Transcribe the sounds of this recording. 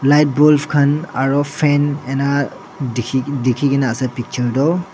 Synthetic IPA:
lajt̚bɔlpʰkʰanaɹɔpʰɛnɛna | dʰidikʰiɡinaːsapik̚t͡ʃɔɹdɔw

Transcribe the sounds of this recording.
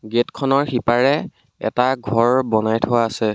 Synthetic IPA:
ɡetkʰɔnɔɹxipaɹɛ | ɛ̰taɡʱɔɹbɔnajtʰowaːsɛ

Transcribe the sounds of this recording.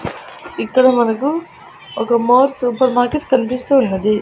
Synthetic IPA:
ikːɐɽɐmɐnɐku | ɔkɐmoːɾsuːpɐɾmaːɾkeʈkɐnipist̪uːnːɐd̪i

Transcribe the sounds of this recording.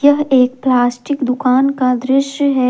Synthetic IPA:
jɐɦeːkplaːsʈɪkd̪ʊkaːnkad̪ɾɪʃjəɦɛː

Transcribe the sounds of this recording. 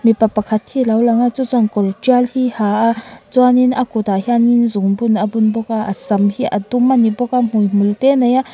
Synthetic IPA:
mipapɐkʰɐt̪̚hilɐwlɐŋat͡sut͡saŋkɔltialhihaʔat͡swaninʔakut̪ahianinzuŋbunabunbɔkaʔɐsɐmhiʔat̪umanibɔkam̥ujm̥ult̪ɛnɐja

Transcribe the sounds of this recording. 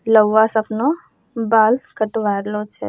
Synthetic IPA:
ləwʋːasəpno | baːlkəʈʋaːɾlot͡ʃʰḛ

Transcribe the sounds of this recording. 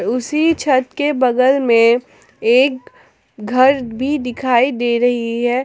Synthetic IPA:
ɾʊsit͡ʃʰɐt̪kebɐɡəlmẽ | eːk | ɡʱɐɾbʱid̪ɪkʰaːid̪eːɾɐɦiɦɛː

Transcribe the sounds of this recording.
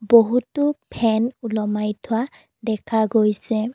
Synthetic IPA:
boɦutʊpʰɛnulɔmajtʰʊwa | dɛkʰaɡojsɛ

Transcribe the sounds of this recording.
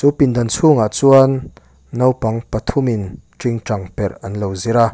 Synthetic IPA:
t͡supind̪ɐnt͡sʰuŋaʔt͡suɐnː | ɐwpɐŋpɐt̪ʰuminʈ͡ʂiŋʈ͡ʂɐŋpɛrɐnlowziɾa

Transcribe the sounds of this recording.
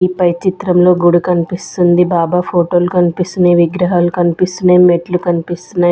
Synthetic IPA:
ipɐjt͡ʃit̪ɾɐmlo̞ːɡuɽukɐnipist̪und̪ibaːbaːpʰo̞ːʈo̞ːlukɐnipist̪uneːʋiɡɾɐɦaːlukɐnipist̪unɐjmeʈlukɐnipist̪unaː

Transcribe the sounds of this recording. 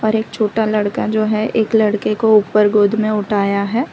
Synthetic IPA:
ɔːɾeːk̚t͡ʃʰoːʈalɐɽkad͡ʒoːɦɛʔeːklɐɽkekoupəɾɡoːd̪ʱmẽʊʈʰaːjaɦɛː

